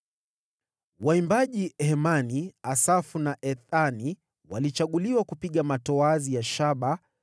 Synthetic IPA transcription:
waimbaʄihɛmaniasafunaʔɛθani | walit͡ʃaɠuliwakupiɠamatɔazijaʃaɓa

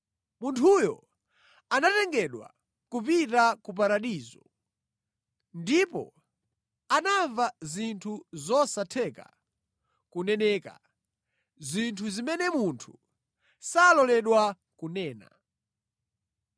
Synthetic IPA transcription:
muntʰujɔ̰ | anatɛŋɡɛɗwa̰ | kupitakup̬aɾaɗiːzɔ | ndipɔ̰ | anaɱvazintʰuzɔsatʰɛka̰ | kunɛnɛːka̰ | zintʰuzimɛnɛmuntʰu̥ | salɔlɛɗwa | kunɛːna̰

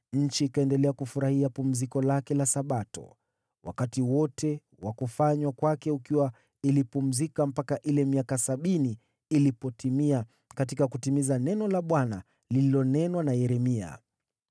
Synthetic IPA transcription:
ɲ̩t͡ʃiːkaɛndɛlɛakufuɾahiapum̩zikɔlakɛlasaɓatɔ̰ | wʔa̰katiwɔtɛ | wakufaɲwakwakɛukiwa | ilipum̩zikam̩pakaʔilɛmiakasaɓiniː | lipɔtʰimia | katikakutimizanɛnɔlaɓwana | lililɔnɛnwanajɛɾɛmia̰

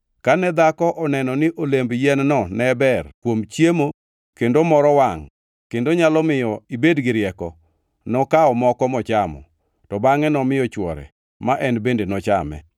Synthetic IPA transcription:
kanɛd̪akɔʔɔnɛnɔnɪʔolembjɛnnɔnɛbɛrkwomt͡ʃjemo | kendomɔɾɔwaŋ | kendoɲalɔmɪjɔibedɡɪɾjɛkɔ | nɔkaɔmɔkɔmɔt͡ʃamɔ̰ | tɔbaŋɛnɔmɪjɔt͡ʃwɔ̰ɾɛ̰ | maʔɛnbendenɔt͡ʃamɛ̰

